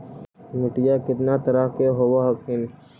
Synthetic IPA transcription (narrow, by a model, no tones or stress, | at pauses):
mɪʈijakɪt̪nat̪əɾaɦkeɦowaɦɐkʰɪn